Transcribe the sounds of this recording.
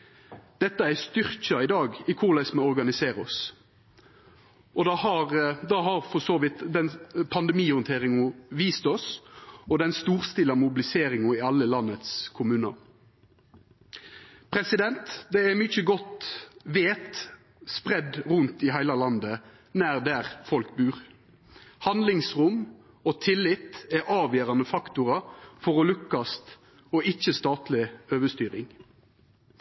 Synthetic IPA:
d̪̥ɛt̪ːəæst̪ʏʁc͡çɑɪd̪ɑːɡɪkʰʊʁlæɪsməɔɾɡɑnɪseːɾɔs | ʔɔd̪ɑhɑʁd̪ɑːɦɑɾfɔsoːʋɪt̪d̪ɛnpʰɑnd̪ɛmiːʊnt̪ʰeːʁɪŋʊʋiːst̪ɔsɔd̪ɛnst̪uːɾst̪ɪlɑmʊbɪlɪseːɾɪŋʊɪɑlːəlɑnːət̪skʰʊmʉːnɑ̰ | pʰɾɛsɪd̪ɛnt̪d̪ɛɛmyçəɡɔt̪ʋeːt̪ | spʁɛd̪ʁʉnt̪ɪɦæɪlɑlɑnd̪ə | næːʁd̪æːʁfɔlk̚bʉːʁ | hɑnd̪lɪŋsʁʊm | oːt̪ʰɪlːɪt̪ɛʔɑːʋjøːʁɑnəfɑkt̪ʊʁɑfɔʁɔlʉkːɑst̪ | oʔɪçːəst̪ɑːt̪lɪøːʋəst̪yːʁɪŋ

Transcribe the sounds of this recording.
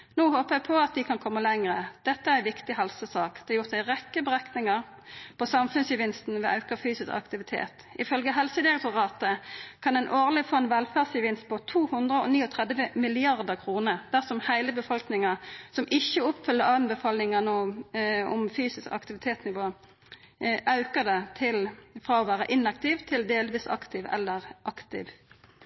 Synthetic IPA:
noːhoːpəʁæɡpʰɔɑt̪̚d̪ɪkʰɑnkʰɔmːəlɛŋʁəd̪̥ɛt̪ːəæʁæɪʋɪkt̪ɪɦɑlsəsɑːkd̪̥ɛːɑjʊʁt̪̚d̪æɪʁɛkːəbəʁɛknɪŋɑʁ | pʰɔsɑmfʉnsjəʋɪnst̪n̩ʋɛːʔɑʉkɑfyːsɪskɑ̰kt̪ɪʋɪt̪ʰḛːt̪ɪfœlɡəɦɛlsəd̪ɪɛk̚t̪ʊʁɑːt̪əkʰɑnɛnʔoːʁlɪfoːɛnʋɛlfæːʁsjəʋɪnst̪̚pʰɔt̪ʰuːhʉnd̪ʁəɔ̰niːɔt̪ʰʁɛd̪ʋəmɪlɪɑʁd̪əʁkʰʁuːnəd̪̥æʁsɔmhæɪləbəfɔlknɪŋɑsɔmʔɪçːəʊpfʏlːəʁɑːmbəfɑːlnɪŋən | ɔmfyːsɪskɑ̰kt̪ɪʋɪt̪ʰeːt̪snɪʋoː | ʔɑʉkəd̪ɛt̪ʰɪlfʁɑːɔːʋæːʁəʔɪnɑk̚t̪ɪʋt̪ʰɪld̪eːlʋiːsɑ̰kt̪ɪʋɛ̰lːəʁʔɑkt̪ɪ̰ːʋ

